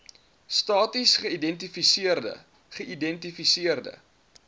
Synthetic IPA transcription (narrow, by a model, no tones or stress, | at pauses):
stɑːtisχəidɛntifisiərdə̰ | χəʔidɛntifisiərdə̰